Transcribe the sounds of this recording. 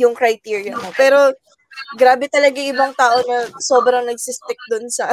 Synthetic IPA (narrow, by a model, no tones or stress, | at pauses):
jʊŋkɾɐjt̪iːɹijɐ̰nopɛːɾo̞ | ɡɾaːbɛt̪ɐlɐɡajʔɪbɐŋt̪aːʔo̞nɐso̞ːbɾɐŋnɐɡ̚sɪst̪ɛk̚d̪ʊnsɐʔɐ